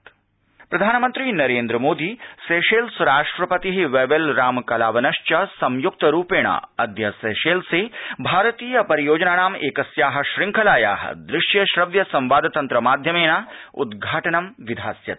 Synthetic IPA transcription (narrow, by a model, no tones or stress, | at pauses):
pɾɐd̪ʱaːnɐmɐnt̪ɾiːnɐɾeːnd̪ɾɐmoːd̪iːseːʃeːlsɾaːʂʈɾɐpɐt̪iɦiʋeːʋelɾaːmkɐlaːʋɐnɐʃt͡ʃɐsɐmjuk̚t̪ɐɾuːpeːɽ̃a̰ːɐd̪jɐseːʃeːlsebʱaːɾɐt̪iːjɐpɐɾijoːd͡ʒɐnaːɳaːmeːkɐsjaːɦɐ̆ʃɾɪŋkʰɐlaːja̰ːɦɐ̰d̪ɾɪʃjɐʃɾɐʋjɐsɐ̃mʋaːd̪ɐt̪ɐnt̪ɾɐmaːd̪ʱjɐmeːnaːṵd̪ɡʱaːʈɐnɐmʋid̪ʱaːsjɐ̰t̪